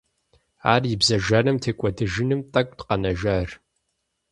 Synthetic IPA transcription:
a̰ːrjɪbzɐʒɐrɨmtʰeːkʷʼɔdɨʒɪnɨmtʼɐkʷʼtqɐnɐʒɐr

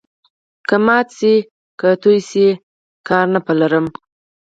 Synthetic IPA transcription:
kəmɑt̪se | kət̪ujse | kɑɾnapalaɾəm

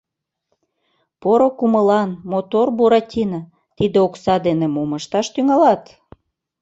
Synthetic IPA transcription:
poɾokuməlɑnmot̪orbuɾɑtʲinə | t̪id̪eoksɑd̪enemoməʃt̪ɑʃt̪yŋɑlɑt̪

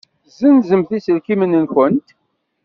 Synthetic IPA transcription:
zənzəmθisəlkimənənkənt̪

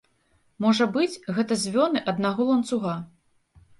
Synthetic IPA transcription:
mɔʐɐbɨt͡sʲɣɛt̪ɐzʲvʲɔnɨʔɐd̪naɣɔlˠɐnt̪suɣa

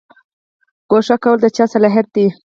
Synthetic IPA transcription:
ɡ̥oʂakawəld̪ət͡ʃɑsalɑɦɪɾ̚d̪i

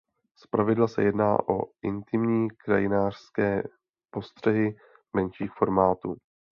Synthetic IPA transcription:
spɾavɪdlasɛ̰jɛdna̰ːʔo̞̰ʔɪnt̪ɪmɲiːkɾajɪnaːr̥skɛː | po̞st̪r̝̥ɛɦɪ | mɛnʃiːxfo̞ɾmaːt̪ṵː

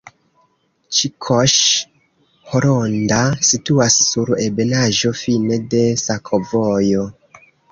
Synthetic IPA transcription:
t͡ʃikʰoʃ | hoɾondasituasːuɾe̞be̞naʒo̞fine̞de̞sakʰovojo̞

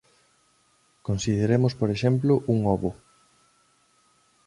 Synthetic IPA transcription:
konsiðeɾemʊspoɾeʃemplʊʔuŋɔβʊ

